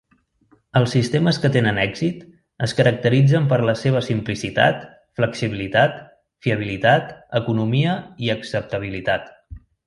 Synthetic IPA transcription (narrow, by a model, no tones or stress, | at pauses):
əlˠsːist̪eməskət̪enənɛɡzit̪ | əskəɾək̚t̪əɾid͡zəmpəɾləseβ̞əsimplisit̪a̰t̪ | fləksiβilit̪at̪ | fiəβ̞ilit̪at̪əkunumiəiəksəp̚t̪əβ̞ilit̪at̪